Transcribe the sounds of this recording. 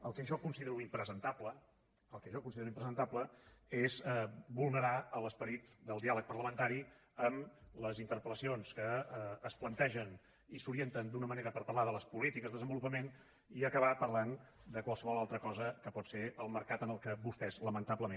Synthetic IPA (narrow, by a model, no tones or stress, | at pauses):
əlˠkɛəʒɔkunsiðeɾuimpɾəzənt̪aplə | əlˠkɛəʒɔkunsiðeɾuimpɾəzənt̪apləezɛbulˠnəɾaələspəɾit̪d̪əlˠd̪ialˠək̚pərləmənt̪aɾi | əmləzint̪əɾpələsionskəːsplənt̪ɛʒən | isuɾient̪ənd̪unəməneɾəpəɾpəɾlaðələspulit̪ikəzðəðəzəmbulupəmen | iəkəβapərland̪əkwalˠsəβɔlalˠt̪ɾəkɔzəkəpɔt̪seʔəlˠməɾkat̪ənəlˠkəbust̪ɛzləmənt̪apləmẽn